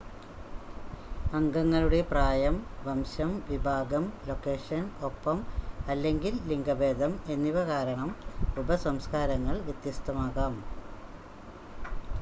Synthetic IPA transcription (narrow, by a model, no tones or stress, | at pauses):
ɐŋɡɐŋːɐɭuɽe̞praːjɐmʋɐmɕɐmʋibʱaːɡɐmlo̞kːe̞ːʂɐno̞pːɐmɐlːe̞ŋɡilːiŋɡɐbe̞ːd̪ʱɐme̞nːiʋɐkaːɾɐɳɐmubɐsɐmskaːɾɐŋːɐɭʋjɐt̪jɐst̪ɐmaːɣaːm